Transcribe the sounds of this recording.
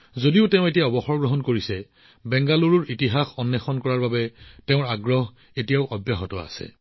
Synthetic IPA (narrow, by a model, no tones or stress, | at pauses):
zodiʊteʊ̃etijaɔbɔxɔɹɡɹɔɦɔnkoɹisɛ | bɛŋɡaluɹuɹitiɦaxɔnːɛxɔnkɔɹaɹbabɛteʊ̃ɹaɡɹɔɦ | etijaʊʔɔbjaɦɔtɔa̰sɛ̰